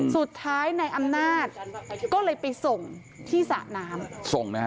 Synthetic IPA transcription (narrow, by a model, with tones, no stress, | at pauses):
su˨˩t̪ʰːaː˦˥jna˧jʔa˧mnaː˥˩t̪̚kɔː˥˩lɤː˧jpa˧jso˨˩ŋ | t̪ʰiː˥˩sa̰ː˨˩naː˦˥mso˨˩ŋna˦